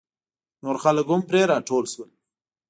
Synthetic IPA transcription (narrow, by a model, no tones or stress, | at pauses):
noːɾxaləɡʊmpɾeɾɑːʈʰolswəl